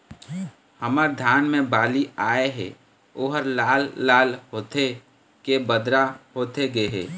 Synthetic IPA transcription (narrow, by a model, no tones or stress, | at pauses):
həməɾd̪ʱaːnmẽbaːliaːeɦɛ̰ | oːɦəɾlaːlːaːlɦoːt̪ʰe | kebəd̪ɾaɦoːt̪ʰeɡeɦɛ̰ː